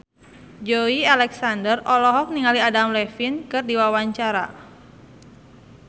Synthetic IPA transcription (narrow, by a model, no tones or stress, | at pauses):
d͡ʒoialɛksandərɔlɔɦɔk̚niŋaliadamlɛfinkɨrdiwawaɲt͡ʃaɾa̰